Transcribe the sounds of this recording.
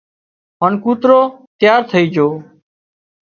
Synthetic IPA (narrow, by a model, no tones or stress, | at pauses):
ɦənkuːt̪ɾoːt̪jaːɾt̪ʰəiːd͡ʒoː